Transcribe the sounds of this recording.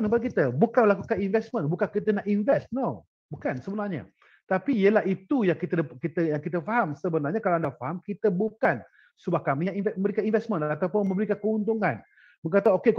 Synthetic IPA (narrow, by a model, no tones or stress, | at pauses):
nt̪əmpad̚k̬it̪əbukanməlakukaninvɛsmə̃nbukankit̪̬ənaʔinvɛsno | bukansəbənarɲa̰ | t̪apiiəlahit̪ujaŋkit̪əkit̪əjaŋkit̪̬əfaɦamsəbənarɲakalaandafaɦamkit̪əbukan | subahkamiinvɛməmbəɾikaninvɛsmə̃nat̪awpʊnmə̃mbəɾikankəunt̪̬uŋan | məŋkat̪aokek